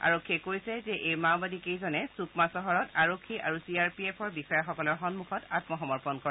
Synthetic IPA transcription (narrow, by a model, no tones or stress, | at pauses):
a̰ɹokʰːiɛkoɹisɛzɛʔejmawbadikejzɔnɛsukʰmasɔɦɔɹɔtaɹokʰːiʔaɹusiaɹpiepʰɔɹbisajaɹxɔkɔlɔɹxɔnmukʰɔtatmɔxɔmɔɹpɔnkɔɹɛ